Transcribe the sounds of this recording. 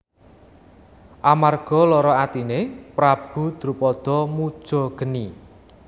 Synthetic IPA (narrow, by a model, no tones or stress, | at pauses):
ʔamarɡ̥ɔ̤lɔɾɔat̪inepɾab̥ṳd̪̥ɾupɔd̪̥ɔ̤mud̥ʒ̥ɔ̤ɡ̥ə̤ni